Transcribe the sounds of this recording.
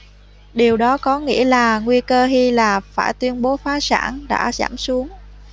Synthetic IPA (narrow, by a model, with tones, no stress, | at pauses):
ɗi˨˩əwɗɔ˨˦kɔ˨˦ŋḭ˧˥əlaː˨˩ŋwi˧kəː˧ɦi˧laː˨˩faː˧˩jt̪wi˧ənɓo˨˦faː˨˦sa̰ː˧˩nɗa̰ː˧˥za̰ː˧˩msu˨˦əŋ